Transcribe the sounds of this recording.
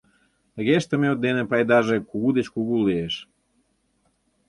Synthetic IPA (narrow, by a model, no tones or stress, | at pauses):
əɣeʃt̪əmeod̪ːenepajd̪aʒekuɣud̪et͡ɕkuɣuleːʃ